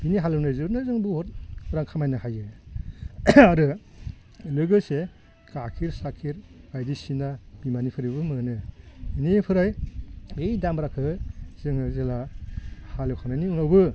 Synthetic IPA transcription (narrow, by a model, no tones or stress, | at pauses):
b̥iniɦalɯwnɯzɯɾnɯzɯŋbɯhɔt̚ɾaŋkʰamajnɯhajɯ | aɾɯ | lɯɡɯse | kakʰiɾsakʰiɾɡ̥ajdisinab̥imanipʰɯɾibɯmɯnɯinipʰɯɾajejdambɾakʰɯz̥ɯŋɯzela | halɯwkʰawnajniunawbɯ